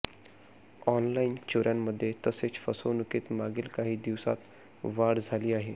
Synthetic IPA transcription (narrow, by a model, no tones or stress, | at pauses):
ɔnlaint͡ɕoɾjamːəd̪ʱːjet̪əset͡sfəsonukiːt̪maɡiːlkaɦiːd̪iʋsa̰t̪ | ʋaɽd͡zʱaliːaɦe